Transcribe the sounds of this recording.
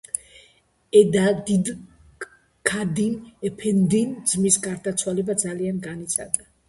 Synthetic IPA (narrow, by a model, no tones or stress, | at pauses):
ɛd̪ad̪id̪ | kʰad̪inɛpʰɛnd̪ind̪zmisɡaɾd̪at̪sʰwalɛbad̪zalianɡanit̪sʰa̰d̪a